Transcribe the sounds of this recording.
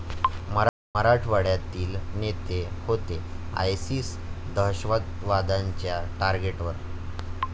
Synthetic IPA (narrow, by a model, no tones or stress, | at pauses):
m | məɾaʈʰʋaɽjat̪iːlnet̪ehot̪e | a̰jsiːsd̪əɦɕʋət̪ʋad̪aɲt͡ɕjaʈaɾɡeʈʋəɾ